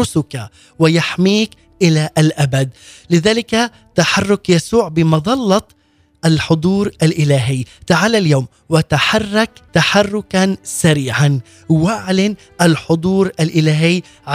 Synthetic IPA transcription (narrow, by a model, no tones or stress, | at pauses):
ʊsʊka | wɪjaħmiːk | ʔɪlaʔalʔabad̪̚lɪðaːlɪka | t̪aħɑrˤːʊkjasuːʕbɪmɑðˤɑlːɑt̪ˤ | ʔalħʊd̪ˤuːɾʔalʔɪlaːɦɪjːt̪aʕaːlaljawm | wɪt̪aħarˤːɑkt̪aħarˤːʊkansaɾiːʕan | waʕlɪn | ʔalħʊd̪ˤuːɾʔalʔɪlaːɦɪjː | ʕa